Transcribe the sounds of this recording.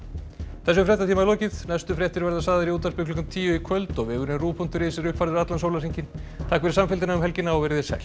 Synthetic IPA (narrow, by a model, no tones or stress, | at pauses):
θɛs̬ʏfɾɛht̪at̪ʰimalɔːcɪðnɛst̪ʏfɾjɛht̪ʏɾvɛɾðasaːðɪɾiuːt̪aspɪklɔkant̪ʰiːjʏikʰœlt̪ɔɣvɛːɣʏɾɪnruːpʰɔnt̪ʏɾeːjsɪɾʏhpfaɾðɪɾat̪lansoːwlasiɲcɪnt̪ʰaːkvɛɾɪ̥samfɪlt̪̬ɪnaʏmɦɛlcɪnaɔɣvɛɾɪðɪsɛ̰l